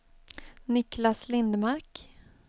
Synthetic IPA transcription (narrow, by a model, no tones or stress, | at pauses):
nɪklaslɪnd̪maɾk